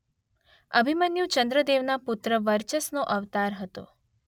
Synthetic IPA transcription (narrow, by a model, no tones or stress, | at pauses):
əbʱimənjũt͡ʃənd̪ɾəd̪eʋnapʊt̪ɾəʋəɾt͡ʃəsnoʔəʋt̪aɾɦət̪o̰